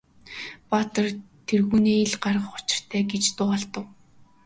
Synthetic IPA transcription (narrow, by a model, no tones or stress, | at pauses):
pat̪ə̆rt̪ʰerɣuːneːeɮɢarʁə̆χʊ̥t͡ɕɪ̥̆r̥t̪ʰæːɡet͡ɕt̪ʊːaɮt̪ə̆w